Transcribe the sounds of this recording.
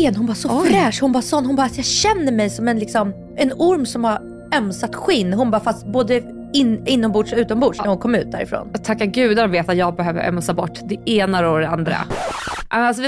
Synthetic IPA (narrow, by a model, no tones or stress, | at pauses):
eːnhʊnbɑːsɔfɾɛːʂhʊnbasɔnːhʊnbɑːɾasjɑɕɛnːəɾmɛjsɔmɛnlɪksɔm | ɛnʊɾmsɔmhaɾ | œmsat̪ɧɪnːɦʊnbɑːɾfast̪boːd̪ə | ɪnɪnːɔmbuːʂɔʉ̟ːt̪ɔmbʊːʂnæɾhʊnkʰɔmːʉ̟ːt̪̚d̪æ̰ɾɪ̰fɾo̰ːnt̪ʰakːaɡʉ̟ːd̪aɾɔmveːt̪at̪jɑːɡ̚bɛɦøːvə̰ɾœ̰msabɔʈːd̪ɛeːnaɾod̪ɛand̪ɾa̰ʔalsɔ